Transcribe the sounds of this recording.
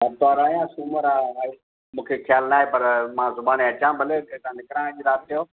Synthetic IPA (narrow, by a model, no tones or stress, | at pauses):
ɐt̪ɔːɾaːjãːsuməɾaːaː | mũːkʰexʰjaːlnaːɦepɐɾmãːzʊbaːneɐt͡ɕãːbʱəlekʰeːt̪ãːnɪkɾãːɽ̃d͡ʑiːɾaːt̪̚ɪjoː